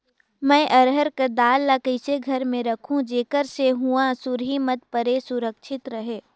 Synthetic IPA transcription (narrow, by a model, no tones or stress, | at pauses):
mɛ̃ːʔɐɾɦəɾkad̪aːlːakəɪseɡʱɐɾmẽɾɐkʰũd͡ʒeːkəɾseɦuasʊɾɦimət̪̚pəɾesʊɾəkʃʰɪt̪ɾəɦeː